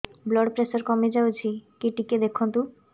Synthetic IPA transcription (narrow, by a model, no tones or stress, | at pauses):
blɔɖpɾesoɾkɔmed͡ʑawt͡ɕʰikiʈiked̪ekʰːont̪u